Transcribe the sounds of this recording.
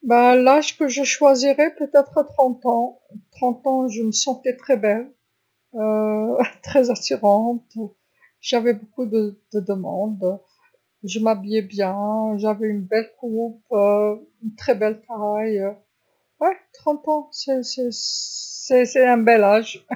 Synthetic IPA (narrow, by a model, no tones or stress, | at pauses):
balaʒkəʒəʃwaziʁɛpøt̪ɛt̪χət̪χɑ̃t̪ɑ̃ | t̪χɑ̃t̪ɑ̃ʒəməsɑ̃t̪ɛt̪χɛbɛl | øt̪χɛzasyʁɑ̃t̪ | ʒavɛbokud̪əd̪əd̪əmɑ̰̃d̪ | ʒəmabijɛbjɛ̃ʒavɛynbɛlkupøynt̪χɛbɛlt̪ajø | wɛt̪χɑ̃t̪ɑ̃sɛsɛ | sɛsɛɛ̃bɛlaʒ